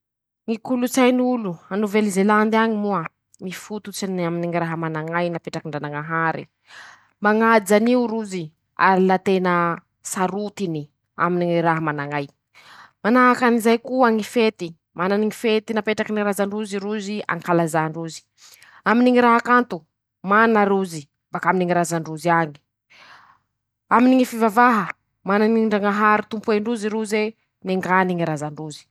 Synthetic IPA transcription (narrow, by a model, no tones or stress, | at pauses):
ŋikulut͡sajnuluanuvelizeland̪iaɲimuə | mifut̪ut͡sinaminiŋiɾaɦəmanaŋajnapeʈ͡ʂakiɳɖ͡ʐanaŋaɦaɾḭ | maŋad͡zaniuɾuzi | a̰ɾilat̪enə | saɾut̪ini | a̰miniŋiɾaɦəmanaŋaj | manaɦakanizajkuəŋifet̪i | mananiŋifet̪inapeʈ͡ʂakiniɾazaɳɖ͡ʐuziɾuzia̰ŋikalazaɳɖ͡ʐuzi̥ | aminiŋiɾaɦakant̪u | manaɾuzi | bakaminiŋiɾazaɳɖ͡ʐuziaɲi̥ | aminiŋifivavaɦə | mananiɳɖ͡ʐaŋaɦaɾit̪umpueɳɖ͡ʐuziɾuze | neŋɡaniŋiɾazaɳɖ͡ʐuzi̥